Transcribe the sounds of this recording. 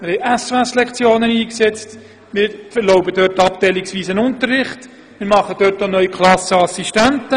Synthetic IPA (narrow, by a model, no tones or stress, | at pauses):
mɪɾhɛɪjʔɛsɛslɛkt͡sjoːnəniːksɛt͡st | mɪːɾfəɾlɔʊbəd̥øɾtɑp̚tɛjlɪksʋiːsənʊntərːɪχt | mɪɾmɑχəd̥øːtonœʏikʰlˠɑsəɑsiʃtæntə